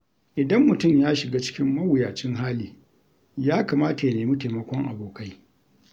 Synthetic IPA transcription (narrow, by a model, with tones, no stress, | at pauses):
ʔɪ˨dɐ˦mːʊ˨tʊ˦˨mjaː˦ʃɪ˨ɡaː˦t͡ʃɪ̥˦kʲɪ˦mːɐ˦wʊ˨jaː˨t͡ʃɪ˦ŋɦaː˦liː˨ | jaː˦kaː˨maː˦ta˨ja˨neː˨mi˦te˨mɐ˦kʷɔ˦ŋʔa̰˨boː˨ka˦j